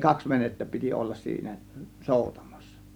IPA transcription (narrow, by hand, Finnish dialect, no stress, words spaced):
kɑks ʋenetːæ piti olːɑs siːnæ soˑutɑ̥m̥ɑ̥sːɑ̥